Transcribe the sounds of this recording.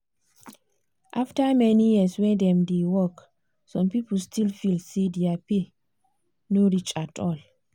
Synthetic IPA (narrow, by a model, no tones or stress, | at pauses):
ʔaftamɛnijiswɛ̃dɛmdewɔk | sɔ̃mpipəlstʰilfilsidiapi | noɾit͡ʃʼatʰɔl